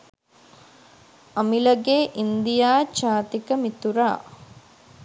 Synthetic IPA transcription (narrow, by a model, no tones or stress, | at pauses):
ɐmiləɡeːʔind̪ijaːt͡ʃaːt̪ikəmit̪uɾa̰ː